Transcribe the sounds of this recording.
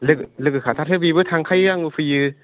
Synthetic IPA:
lɯklɯkɯkʰat̪ʰat̪ʰɯbibɯt̪ʰaŋkʰajɯaŋufɯjɯ

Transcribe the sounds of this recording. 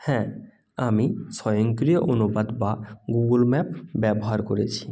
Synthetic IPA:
hɛ̃ | amisɔjoŋkɾioʔonubad̪baɡuɡulmɛpbɛboɦaɾkoɾet͡ɕʰi̥

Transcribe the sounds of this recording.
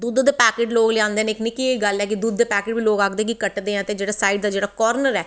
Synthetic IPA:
d̪uːd̪d̪eːpɛːkeːʈloːɡleːãːnd̪eːneːknĩːkieiɡəlɛːk̬ɪd̪uːd̪ːeːpɛːkeːʈbiːloːɡaːkd̪ẽːkikəʈd̪eːɛ̃ːət̪eːd͡ʒeːɽaːsaːiɖd̪aːd͡ʒeːɽaːkɔːɾnəɾɛː

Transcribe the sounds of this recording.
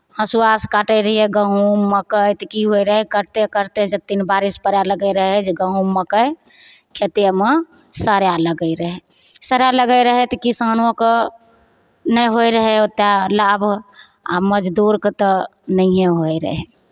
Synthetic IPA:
hə̃suaskaʈəjɾəɦiɛɡəɦumːəkəjt̪kiɦojɾəɦɛkəɾt̪ekəɾt̪ed͡ʒət̪ːinbaɾispəɾjaləɡəɾəɦɛd͡ʒeɡəɦũmːəkəj | kʰet̪eme | səɾjaləɡəɪɾəɦɛ | səɾjaləɡəjɾəɦɛt̪kisanok | nəjɦojɾəɦɛot̪alabʱ | a̰məd͡ʒd̪uɾket̪ɔnəɦẽɦojɾə̰ɦɛ

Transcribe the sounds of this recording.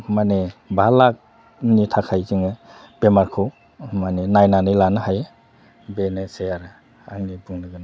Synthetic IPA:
manebʱalak̚ | nitʰakʰajziŋɯ | b̥emaɾkʰow | manenajnanɯjlanɯɦaj | benesejaɾ | a̰ŋnibuŋlɯɡɯna

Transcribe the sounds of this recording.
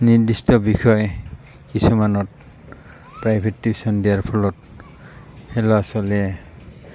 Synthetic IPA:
niɹdistɔbixʰɔj | kisumanɔt | pɹajbʱetːisɔndijaɹpʰɔlɔt̚ | hɛlɔasɔlɛ

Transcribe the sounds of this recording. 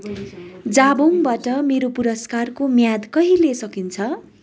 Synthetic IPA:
d͡zaboŋbaʈʌmeɾopuɾʌskarkomjad̪kʌɦilesʌkint͡sʰʌ

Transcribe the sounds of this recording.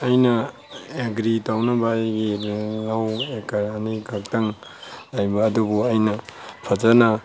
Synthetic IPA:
ɐjnɐ | eɡɾitawnabajɡiɾŋawekaɾanikʰak̚taŋlajbaːdubuɐjnɐpʰad͡ʒana

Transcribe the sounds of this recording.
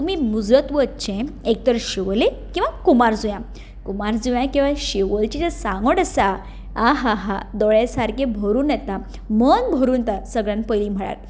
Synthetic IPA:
t̪umimud͡zɾət̪ʋət͡ɕẽek̚t̪əɾɕiʋle | kĩw̃ʋakumaɾd͡zujã | kumaɾd͡zujãkĩw̃ʋaɕiʋəɭt͡ɕit̪esãŋɡəʈəsa | aɦaɦad̪ɔɭesaɾkẽbʱəɾuːnjɛt̪a | mənbʱəɾuːnt̪asəɡɭjãnpəjlim̤əɭa̰ɾ

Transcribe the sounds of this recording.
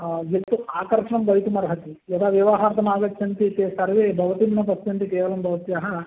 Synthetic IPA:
jet̪ːuaːkɐɾʂɐɳɐmɡɐjt̪umɐɾɦɐt̪ijɐd̪aːʋjiʋaɦaːɾt̪ɐmaːɡɐt̪jɐnt̪it̪eːsɐɾʋebʱɐʋɐt̪inːɐp̬ɐsjɐnt̪ikeːʋɐlɐmbʱɐʋɐt̪jaːɦɐ

